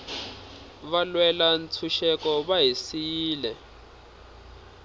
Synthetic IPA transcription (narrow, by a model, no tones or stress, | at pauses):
βalwɛlant͡sʰuʃɛkɔβaɦisiːlɛ